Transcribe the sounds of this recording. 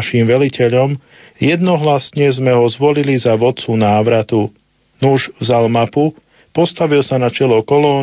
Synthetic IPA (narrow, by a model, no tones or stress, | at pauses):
ʃimʋɛlicɛʎɔm | jɛd̪nɔɦlasɲɛzmɛɦɔzʋɔlilizaʋɔt̪t͡sunaːʋɾat̪u | nuʒvzalmapu | pɔst̪aʋilsanat͡ʃɛlɔkɔlɔː